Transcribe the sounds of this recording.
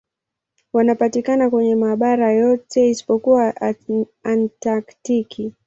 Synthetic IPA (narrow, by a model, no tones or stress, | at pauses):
wanapatikanakwɛɲɛmaːɓaɾajɔtʰɛisi̥pɔkuwaː | ntaktikʰi